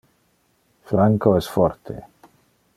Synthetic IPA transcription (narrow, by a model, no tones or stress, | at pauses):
fɾaŋkoɛsfɔɾt̪ʰḛ